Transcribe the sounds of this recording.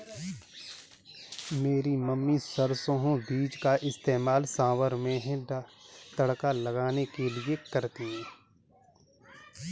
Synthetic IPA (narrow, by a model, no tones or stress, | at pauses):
meːɾimɐmːisɐɾsõɦõbiːd͡ʒkaʔɪst̪eːmaːlsaːʋəɾmẽɦɛ̃ | t̪ɐɽkalɐɡaːnekeliekɐɾt̪iɦɛ̃ː